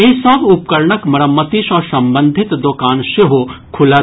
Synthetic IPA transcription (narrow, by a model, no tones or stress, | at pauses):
esəbʊp̚kəɾɳəkmɐɾəmːət̪iʃɔːɾsɐ̃mbə̃nd̪ʱɪt̪d̪oːkaːnʃeɦokʰʊla